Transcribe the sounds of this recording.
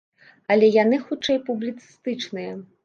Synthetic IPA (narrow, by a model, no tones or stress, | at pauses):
ɐlʲɛjan̪ɨxut͡ʂɛjpublʲit̪sɨ̥st̪ɨt͡ʂnɨjɐ